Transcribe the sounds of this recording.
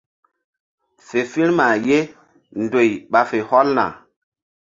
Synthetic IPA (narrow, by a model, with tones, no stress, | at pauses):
fe˨fi˦ɾma˨je˦ | ndo˨jɓa˨fe˨hɔ˦lna̰˨